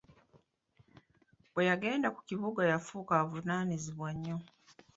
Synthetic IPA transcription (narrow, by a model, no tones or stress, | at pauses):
bwe̞jaɡe̞ːndaku̥ciβuɡajafuːkaβunaːniziβwaɲːo